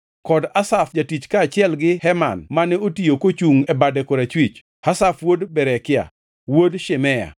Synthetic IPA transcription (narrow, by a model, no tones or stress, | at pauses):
kɔdasafd͡ʒatit͡ʃkaːt͡ʃɪɛlɡɪhɛmanmanɛotijokot͡ʃuŋɛbadɛkoɾat͡ʃwit͡ʃ | hasafwodbɛɾɛkɪa̰ | wodʃemɛja̰